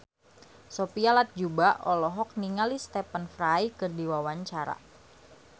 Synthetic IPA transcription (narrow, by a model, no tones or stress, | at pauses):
sopialat̪̚d͡ʒubaʔɔlɔɦɔk̚niŋalist̪ɛpənfɾajkɨrdiwawaɲt͡ʃaɾa̰